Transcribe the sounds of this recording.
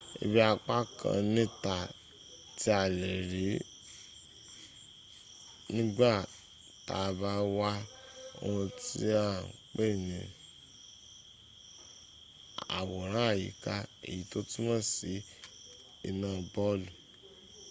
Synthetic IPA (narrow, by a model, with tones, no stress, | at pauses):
ḛ˧bi˦a˧k͡pa˦kʰã̰˧nĩ˦ta˨ | ti˦a˨le˨ɾi˨˦ | nĩ˦ɡ͡ba˦˨ | ta˨˧ba˧˦wa˦ | o̰˧hũ˧ti˦a˦˨k͡pe˦˨nĩ˨ | a̰˨wɔ˨ɾ̃ã˨˦a˦˨jḭ˨ka˧˦ḛ˨ji˨to˦ti˦mã˦˨si˨˦ | ḭ˧nãː˨bɔ˦lu˨